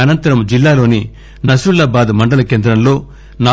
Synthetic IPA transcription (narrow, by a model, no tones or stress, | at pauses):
ɐnɐnt̪ɐɾɐmd͡ʒilːaːlo̞ːni | nɐsɾulːaːbaːd̪mɐɳɖɐlɐkeːnd̪ɾɐmlo̞ː | naː